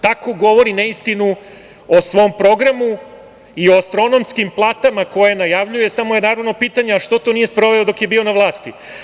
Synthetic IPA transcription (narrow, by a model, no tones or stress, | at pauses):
t̪ako̞ɡo̞ʋo̞ɾineist̪inu | osʋo̞mpɾo̞ɡɾamu | ioast̪ɾo̞no̞mskimplˠaːt̪amako̞jenajaʋʎuje̞samojednaɾaʋno̞piːt̪aɲeaʃt̪o̞t̪o̞nije̞spɾo̞ʋeod̪o̞kje̞biːo̞naʋlˠaːst̪i